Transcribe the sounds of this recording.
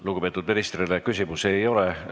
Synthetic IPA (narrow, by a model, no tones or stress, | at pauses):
luɡupe̞ːt̪ːˑud̪miɾist̪rilekysʲimuse̞jo̞le